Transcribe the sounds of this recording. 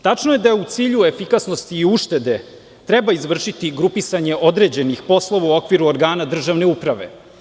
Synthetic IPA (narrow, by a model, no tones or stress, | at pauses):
t̪at͡ʂnoje̞d̪aut̪siːʎue̞fikasno̞st̪iːuʃt̪e̞d̪e̞ | t̪ɾɛbaizʋr̩ʃit̪iɡɾupisaɲe̞ʔo̞d̪ɾe̞d͡ʑe̞nixpo̞slˠo̞ʋauo̞kʋiɾuoɾɡaːnad̪r̩ʒaʋne̞upɾaʋe̞̰